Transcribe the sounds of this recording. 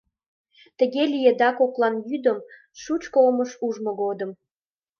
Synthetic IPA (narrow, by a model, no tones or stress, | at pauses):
t̪əɣelijed̪ɑkoklɑnjyd̪əm | ʃut͡ɕkooməʃuʒmoɣod̪əm